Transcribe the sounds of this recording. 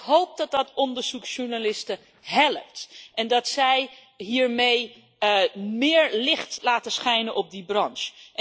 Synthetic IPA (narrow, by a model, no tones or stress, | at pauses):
ɦowp̚dɔt̚dɔtɔndəɹz̥uksʃuɹnalɪstə | ɦɛləptʔɛndɑtsɛj | ɦiːɹmej | mɪːɹlɪχtlaːtəsχɛjnənʔɔb̚dibrɑnʃ